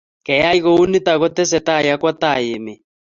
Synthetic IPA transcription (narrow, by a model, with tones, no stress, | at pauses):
kɛ˨ja˦i˦ɣo˦u˦ni˦t̪a˨ɣɔ˦t̪e˦s̬ɛ˨t̪a˦˨ja˦kwa˦t̪a˦˨je˨me˨